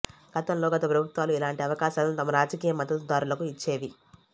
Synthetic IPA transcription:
ɡ̥ɐt̪ɐnlo̞ːɡɐt̪ɐpɾɐbʱut̪ʋaːluilaːɳʈiɐʋɐkaːʃaːnnut̪ɐmɐɾaːd͡ʒɐkiːjɐmɐd̪ɐt̪ud̪aːɾulɐkuit͡ʃːe̞ːʋi

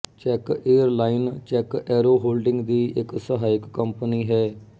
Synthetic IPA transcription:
t͡ʃɛːkeːəɾlaːɪnt͡ʃɛːkɛːɾoːɦoːlɖɪŋɡd̪iːɪksəɦaːɪkːəmpəniːɦɛː

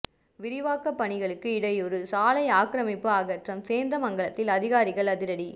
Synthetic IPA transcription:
ʋɪɾɪʋaːkːɐpːɐɳɪɣɐɭɯkːɯɪɽɐjɔɾɯsaːlɐɪaːkɾɐmɪpːɯaːɣɐʈrɐmseːnd̪ɐmɐŋɡɐɭɐt̪ːɪlɐðɪɣaːɾɪɣɐɭɐðɪɾɐɽi

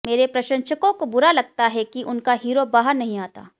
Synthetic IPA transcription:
meːɾepɾɐʃə̃nʃəkõkobʊɾalɐɡt̪aɦɛkiʔʊnkaɦiːɾobaːɦəɾnɐɦĩaːt̪a̰ː

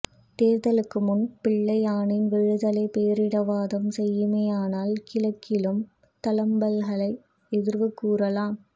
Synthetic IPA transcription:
t̪eːɾðɐlɯkːɯmʊnpɪɭːɐɪaːɳɪnʋɛɻɯðɐlɐɪpeːɾɪɽɐʋaːðɐmsɛjːɯmeːaːnaːlkɪlɐkʰːɪlɯm | t̪ɐlɐmbɐlɣɐɭɐɪ | ɛðɪɾʋɯkːuːrɐlaːm

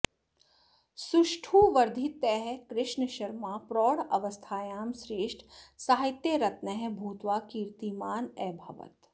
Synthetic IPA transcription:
sʊʃʈʰuːʋɐɾd̪ʱit̪ɛɦɛkɾɪʃɳəʃɐɾmaːpɾɔːɽɐʋəst̪ʰaːjaːmsɾeːʃʈʰsaːɦɪt̪jeɾɐt̪nɐɦɛbʱuːt̪ʋaːkiːɾt̪imaːnɛːbʱɐ̰ʋə̰t̪

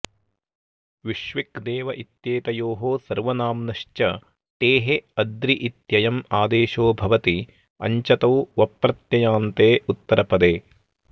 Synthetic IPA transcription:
ʋiʃʋikd̪eːʋɐʔit̪jeːt̪ɐjoːɦoːsɐɾʋɐnaːmnɐʃt͡ʃɐ | t̪eːɦeɐd̪ɾiʔit̪jɐjɐmaːd̪eːʃoːbʱɐʋɐt̪i | ɐ̰ɲt͡ʃɐt̪ɐwʋɐpɾɐt̪jɐjaːnt̪eːut̪ːɐɾʔɐpɐd̪eː

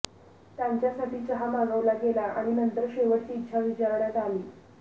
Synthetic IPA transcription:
t̪jaɲt͡ɕjasaʈʰiːt͡səɦamaɡəʋlaɡelaʔaɽ̃inənt̪əɾɕeʋəʈt͡ɕiːtːɕʰaʋit͡ɕaɾɳjat̪aliː

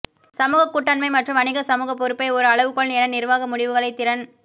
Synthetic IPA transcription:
sɐmuːɣɐkːuʈːɐnmɐɪmɐʈrɯmɐɳɪɣɐsɐmuːɣɐpːɔɾɯpːɐɪɔɾɯɐɭɐʋɯkːɔɭnɪnɐnɪrʋaːɣɐmʊɽɪʋɯɣɐɭɐɪt̪ːɪɾɐn

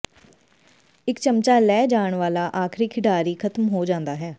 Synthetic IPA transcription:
ɪkt͡ʃəmt͡ʃaːlɛːd͡ʒaːɳʋaːlaːʔaːkʰɾiːkʰɪɖaːɾiːkʰət̪mɦoːd͡ʒãːnd̪aːɦɛː

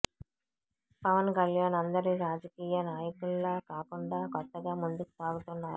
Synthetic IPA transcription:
pɐʋɐnkɐljaːnɐnd̪ɐɾiɾaːd͡ʒɐkiːjɐnaːjɐkuɭːɐːkaːkuɳɖaːkɔt̪ːɐɡaːmund̪uku̥saːɡut̪unːaːɾu

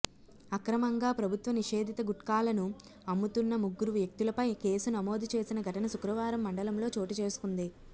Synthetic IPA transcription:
ɐkɾɐmɐŋɡaːpɾɐbʱut̪ʋɐniʂe̞ːd̪ʱit̪ɐɡuʈkaːlɐnu | ɐmːut̪unːɐmuɡːuɾuʋjɐk̚t̪ulɐpɐjke̞ːsunɐmo̞ːd̪ʱut͡ʃe̞ːsinɐɡʱɐʈɐnɐsukɾɐʋaːɾɐmːɐɳɖɐlɐmlo̞ːt͡ʃo̞ːʈit͡ʃe̞ːsu̥kund̪i

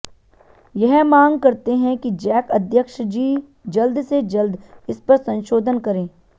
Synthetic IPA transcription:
jɛɦmãːŋɡ̚kɐɾt̪eɦɛ̃kid͡ʒɛːkɐd̪ʱjəkʃd͡ʒiː | d͡ʒɐld̪sed͡ʒɐld̪ɪspɐɾsɐ̃nʃoːd̪ʱənkɐɾẽː

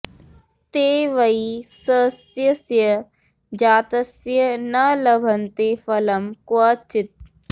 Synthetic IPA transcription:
t̪eːʋɐisɐsjəsjə | d͡ʒaːt̪ɐsjənɐlɐbʱɐnt̪efɐlɐmkɐt͡ʃɪt̪̚

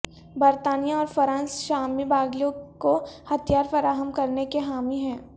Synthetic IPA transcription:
bɐɾt̪aːnijãɔːɾfɐɾãːnsʃaːmibaːɡlijõkohɐt̪jaːɾfɐɾaːɦəmkɐɾnekeɦaːmiɦɛ̃ː

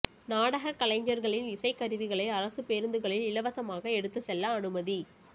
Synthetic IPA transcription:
naːɽɐɣɐkɐlɐɪɲd͡ʒɐɾɣɐɭɪnɪsɐɪkːɐɾɯʋɪɣɐɭɐɪɐɾɐsɯpeːɾnd̪ɯɣɐɭɪlɪlɐʋɐsɐmaːɣɐɛɽɯt̪ːɯsɛlːɐːɳɯmɐði

